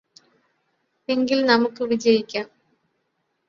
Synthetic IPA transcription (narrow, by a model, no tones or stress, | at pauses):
e̞ŋɡilnɐmukːɨʋid͡ʑɐjikʲːaːm